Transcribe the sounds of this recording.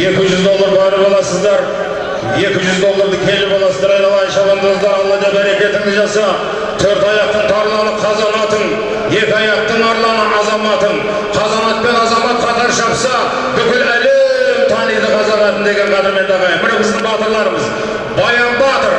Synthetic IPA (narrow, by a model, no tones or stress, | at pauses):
je̞kʲɪʒʏzd̪o̞lˠːəɾɑɾəbɑlˠɑsəzd̪ɑɾ | je̞kʲɪʒʏzd̪o̞lˠːəɾd̪əkʲʰe̞lɪpɑlˠɑsəzd̪ɑɾɑjd̪ɑlˠɑjənʃɑbɑnd̪əəzɑɾɑlˠːɑd̪ɑd̪æɾe̞kʲe̞t̪ɪŋɪzʒɑsɑ | t̪ʰøɾt̪ɑjɑq̚t̪ənt̪ʰɑɾlˠɑnəqʰɑzɑnɑt̪ən | je̞kʲɪɑjɑq̚t̪əɴɑɾlˠɑnəɑzɑmɑt̪ən | qʰɑzɑnɑt̪̚pe̞nɑzɑmɑt̪̚qʰɑt̪ɑɾʃɑpsɑ | bʏkʲɪlælet̪ʰɑnijd̪əqʰɑzɑnɑt̪ənd̪e̞ɡʲe̞ɴqʰɑd̪ɑme̞nt̪ɑʁɑjəbɪɾebɪzd̪ɪɴbɑt̪əɾlˠɑɾəməz | bɑjɑmbɑt̪əɾ